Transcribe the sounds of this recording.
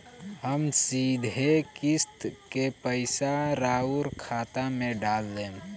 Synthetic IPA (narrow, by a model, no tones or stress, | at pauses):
həmsiːd̪ʱekɪst̪kepəɪsaɾaːuɾkʰaːt̪amẽɖaːlːẽ